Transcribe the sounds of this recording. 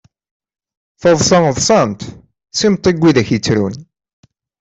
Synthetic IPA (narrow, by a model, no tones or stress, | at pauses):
θəðˤsɑŋðˤsænt̪ | simt̪ˤːiɡʷːiðæçit͡sːɾṵn